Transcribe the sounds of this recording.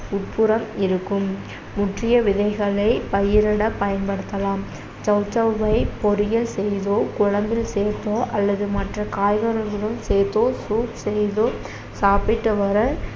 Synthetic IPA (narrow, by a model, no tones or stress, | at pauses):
ʊʈ̚pʊɾɐmɪɾɯkːɯmː | ʊʈrɪjɐʋɪðɐɪɣɐɭɐɪpɐjɪɾɪɽɐpɐjɐnpɐɽɯt̪ːɐlaːm | t͡ʃɐʊt͡ʃːɐʋʋɐɪpɔɾɪjɐlsɛjðoːkʊɻɐmbɪlseːɾt̪oːʔɐlːɐðɯmɐʈrɐkaːjɣɐɾɐlɣɐɭɯmseːt̪oːsuːtsɛjðoː | saːpɪʈːɯʋɐɾɐ